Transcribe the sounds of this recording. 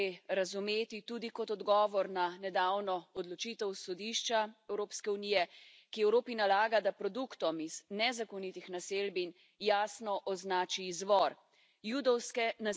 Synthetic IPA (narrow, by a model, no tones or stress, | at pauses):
eɾazumeːt̪it̪ud̪ikɔt̪ɔd̪ɡɔːʋɔɾnanɛd̪aːwnɔɔd̪lɔt͡ʃit̪ɛwsɔd̪iʃt͡ʃaɛwɾoːpskɛuniːjɛ | kiɛwɾoːpinalaːɡad̪apɾɔd̪ukt̪ɔmiz̥nɛzakɔnit̪ixnaselbin | jaːsnɔʔɔznaːt͡ʃiːzʋɔɾ | jud̪ɔwskɛna